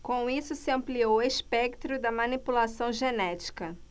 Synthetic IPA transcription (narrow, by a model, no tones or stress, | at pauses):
kõw̃isʊsɪɐ̃mplioweʃpɛk̚t̪ɾʊd̪ɐmɐ̃nipulasɐ̃w̃ʒenɛt͡ʃi̥kɐ